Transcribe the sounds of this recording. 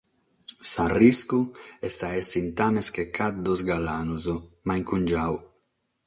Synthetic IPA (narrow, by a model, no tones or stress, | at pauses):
sariskuɛst̪aesint̪ameskekʰat̪̚d̪ozɡalanuzo | majŋkund͡ʒaw